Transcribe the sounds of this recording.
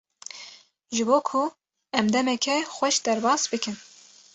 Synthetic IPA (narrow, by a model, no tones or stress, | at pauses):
ʒɨboːkʰu | ɛmd̪ɛmɛkʰɛxʷɛʃd̪ɛɾbɑːsbɨkɨn